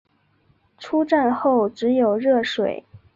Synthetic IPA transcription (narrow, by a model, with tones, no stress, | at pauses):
ʈ͡ʂʰu˥ʈ͡ʂa˥˧nxo˥˩ʊʈ͡ʂɻ̩˧˥jo˨˩ʊɻɤ˥˩ʂwe˨˩˦ɪ